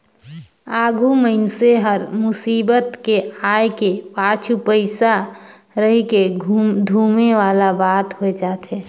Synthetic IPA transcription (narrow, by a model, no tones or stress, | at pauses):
aːɡʱuməɪnseɦəɾmʊsiːbət̪keaːjkepaːt͡ʃʰupəɪsa | ɾəɦiked̪ʱuːmeʋaːlabaːt̪ɦoed͡ʒaːt̪ɦeː